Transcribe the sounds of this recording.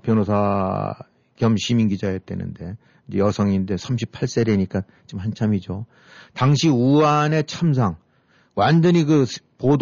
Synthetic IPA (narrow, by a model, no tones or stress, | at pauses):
pjʌnosʰa | kjʌmɕʰiminɡid͡ʑaetwe̞̰nɯ̰nde̞ | d͡ʑejʌsʰʌŋinde̞sʰamɕ̬ʰi̥pʰaɭs͈e̞ɾeɲik͈a | t͡ɕomhant͡ɕʰamid͡ʑo | taŋɕʰiuane̞t͡ɕʰams̬ʰaŋ | wand͡ʑʌɲiɡɯpod